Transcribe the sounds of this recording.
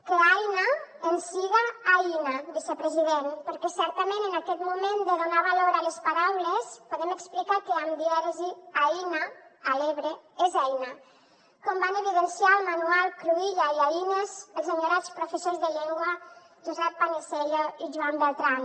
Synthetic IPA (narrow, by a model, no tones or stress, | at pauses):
keajnaensiɣaajnad̪isepɾəziðenpəɾkɛsɛɾt̪amẽnənakɛt̪mumẽnd̪əðunaβaloɾalespaɾawlespoðɛməksplikakeamd̪iɛɾziajinaːleβɾeezɛjna | kɔmbaneβiðənsialmanualˠkɾuiʎaiainezəlˠzaɲoɾat͡spɾufesozðəʎɛŋɡwə | ʒuzɛpːanisɛʎaiʒuambelˠt̪ɾan